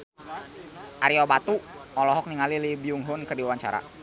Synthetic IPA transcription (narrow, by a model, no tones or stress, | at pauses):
ʔaɾiɔbat̪u | ɔlɔɦɔk̚niŋalilibiuŋɦʊnkərdiawaɲt͡ʃa̰ɾa̰